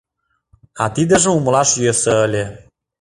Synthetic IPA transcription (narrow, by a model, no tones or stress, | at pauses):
ɑt̪id̪ə̆ʒə̆umlɑʃjøsəəlʲe